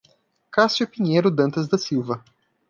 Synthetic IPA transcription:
kasjʊpĩɲejɾʊd̪ɐ̃nt̪ɐzd̪ɐsiwvɐ

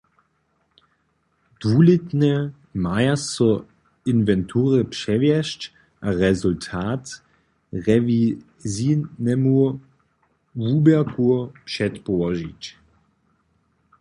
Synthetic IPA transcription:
d̪̥vulɪt̪nɛ | majasɔ | invɛntʰuːʁɛpʂɛvjɛʃt͡ʃ | ʔaʁɛzultʰaːt | ʁɛvi | zinɛmu | vuːbɛɐkuɐpʂɛt̪pɔʋɔʒit͡ɕ

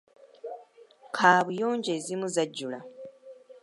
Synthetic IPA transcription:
kʰaːβujoːɲɟeːzimuzaɟːula

